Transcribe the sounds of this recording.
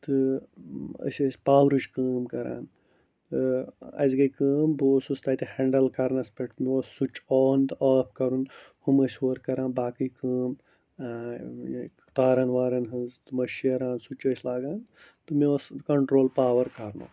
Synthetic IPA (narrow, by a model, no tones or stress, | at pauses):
t̪ɨ | ɐ̰sʲɐsʲpaːwɾut͡ʃkəːmkɐɾa̰ːn | t̪ɨɐ̰sɡɐkəːmboːsust̪aːt̪iheɳɖɐlkɐɾnɐspeʈmiossut͡ʃɔːnt̪aːpʰkɐɾunhumɐsʲoːɾkɐɾãːnbaːkɨjkəːm | t̪aːɾɐnʋaːɾɐnɦɨzt̪ɨmɐʃiɐɾãːnsut͡ʃɐsʲlaːɡaːn | t̪ɨmioskɐɳʈɾoːlpaːʋɐɾkɐɾno̰ː